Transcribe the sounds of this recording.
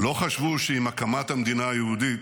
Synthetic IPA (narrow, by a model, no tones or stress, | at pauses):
lo̞χaʃvuʃeimakamat̪hamd̪inaːjehud̪it̪